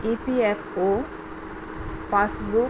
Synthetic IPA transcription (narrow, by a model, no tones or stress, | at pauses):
ipiepʰo | pasbu